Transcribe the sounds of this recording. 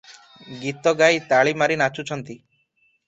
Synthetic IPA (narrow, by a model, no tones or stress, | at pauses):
ɡit̪ɔɡajt̪aɭimaɾinat͡ʃut͡ʃʰɔnt̪i